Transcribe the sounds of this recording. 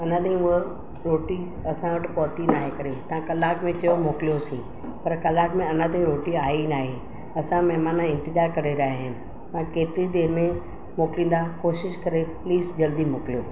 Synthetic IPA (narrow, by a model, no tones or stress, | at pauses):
ɐnãɗ̪ĩĩə | ɾoːʈi | ɐsãʋɐʈɪpɔːt̪inaːɦekɐɾet̪ɐãkɐlaːkmẽt͡ɕɐjomoːkɪlijosĩː | pɐɾkɐlaːkmẽɐnãt̪̬ẽɾoːʈiaːinaːɦe | ɐsãmɐɦmaːnaɪ̃nt̪ɪɡaːkɐɾeɾaɦeɦɪnɪ̆ | t̪ɐãkeːt̪ɪɾid̪eːɾɪmẽ | moːklĩːnd̪akoːʃɪʃkɐɾepliːzd͡ʑɐld̪imoːklijoː